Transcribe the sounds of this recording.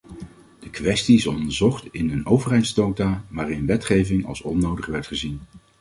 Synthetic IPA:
d̥əkʋɛstiɪsɔ̰ndəɹzɔχtɪnənowvərɦɛjdzdowtaːʋaːrɪnʋɛtχejvɪŋɑ̰lˠsɔnowdəχʋɛɹtχəzin

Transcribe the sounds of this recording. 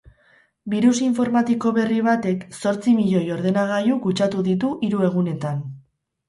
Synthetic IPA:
biɾusiɱfo̞ɾmat̪iko̞βe̞riβ̞at̪e̞kso̞ɾt͡simiʎo̞jo̞ɾðe̞naɣ̞ajukut͡ʃat̪uðit̪̬uʔiɾue̞ɣ̞une̞t̪an

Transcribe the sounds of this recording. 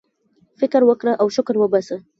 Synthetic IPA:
fɪkɾwəkɽəʔawʃʊkɾwəbasə

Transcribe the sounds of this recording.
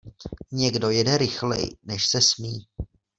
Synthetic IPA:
ɲɛɡdo̞jɛdɛɾɪxlɛ̰jnɛʃsɛsmiː

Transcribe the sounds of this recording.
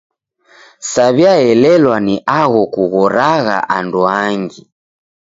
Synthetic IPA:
saβjaɛlɛlwaniʔaɣɔkuɣɔɾaɣa̰ʔanduaŋɡi

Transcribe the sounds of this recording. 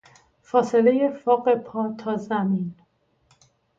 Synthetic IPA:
fɒːse̞le̞je̞fɒːɢe̞pʰɒːt̪ʰɒːzæmin

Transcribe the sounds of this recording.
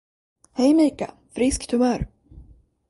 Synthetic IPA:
hɛjmiːka̰ | fɾɪskt̪ʰɵmœːɾ

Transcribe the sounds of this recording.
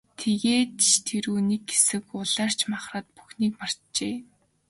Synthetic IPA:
t̪ʰeɣeːt̪t̪ʰeɾuːnik̚ɡe̥sɘ̆kʊɮaːr̥t͡ɕʰmaχraːt̪̚pu̥xniːkmar̥ | t͡ɕeː

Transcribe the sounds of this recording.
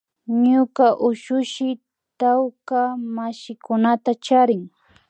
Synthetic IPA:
ɲʊkaʔʊʃʊʃɪ | t̪awkamaʃɪkʊnat̪at͡ʃaɾɪŋ

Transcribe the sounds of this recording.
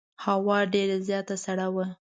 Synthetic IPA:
hawɑɖeɾazjɑt̪asaɽawə

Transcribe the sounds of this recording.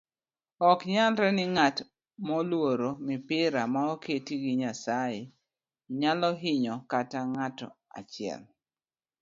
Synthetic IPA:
ɔkɲalɾɛnɪŋat | mɔlwoɾomɪpɪɾamaoketiɡiɲasajɪ | ɲalɔɦɪɲɔkataŋatɔ̰a̰t͡ʃɪɛ̰l

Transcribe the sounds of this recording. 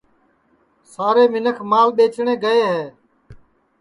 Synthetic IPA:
saːɾeːmɪnəkʰmaːlɓeːt͡ʃɳeːɡəeːɦeː

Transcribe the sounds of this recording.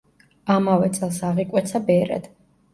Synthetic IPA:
amavɛt̪sʼɛlˠsaʁikʼwɛt̪sʰabɛɾɛ̰d̪̥

